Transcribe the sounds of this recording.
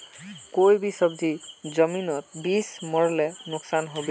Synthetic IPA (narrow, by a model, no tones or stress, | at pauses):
kojbisɔbdizɔminɔtbismɔɹɔlɛnʊksanɦobi